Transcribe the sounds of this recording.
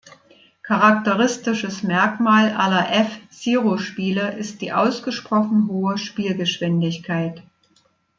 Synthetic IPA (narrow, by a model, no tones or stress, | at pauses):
kʰaʁak̚təʁɪstɪʃəsmɛɐkmaːlʔalɐʔɛfz̥iːʁoʃpiːləʔɪst̚d̥iːʔaʊsɡ̥əʃpʁ̥ɔχn̩ɦoːəʃpiːlɡəʃv̥ɪndɪçkʰaɪt